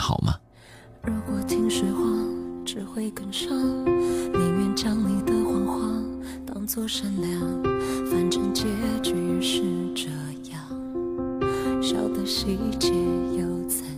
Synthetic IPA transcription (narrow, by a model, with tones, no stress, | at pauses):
xɑ̰˨˩ʊmʔɐ̰˦ | ɻu˧˥kwɔ˧˩t̪ʰi˥ŋʂe˧˥xwɑ˥˧ʈ͡ʂɻ̩˨˩xwe˥˩ɪkə˨˩nʂɑ˥mi˨˩mɛ˥˧nʈ͡ʂjɑ˥ŋli˨˩d̪ə˧xwɑ˧˥ŋxwɑ˥˧ | t̪ɑ˥ŋt͡swɔ˥˧˩ʂə˧˥nljɑ˥˧˥ŋfa˧˥nʈ͡ʂɤ˥˧ŋt͡ɕjɛ˥ʈ͡ʂ̩˧˩˧ʂɻ̩˥˩ʈ͡ʂə˧˩ | jɑ˥˩ | ɕjɑ˨˩ʊd̪ə˧ʂɻ̩˥˧i˥˩t͡ɕɛ˥˧˥jo˧˩ʊt͡sʰa˧˥